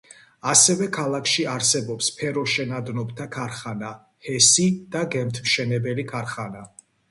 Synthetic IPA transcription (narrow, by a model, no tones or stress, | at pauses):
asɛvɛkʰalˠakʰʃiaɾsɛbɔpspʰɛɾɔʃɛnad̪nɔbt̪ʰakʰaɾχana | hɛsid̪̥aɡɛmt̪ʰmʃɛnɛbɛlikʰaɾχana